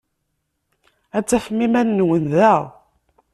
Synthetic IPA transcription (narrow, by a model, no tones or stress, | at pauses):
æt͡sːæfəmːimænːwənðæʁ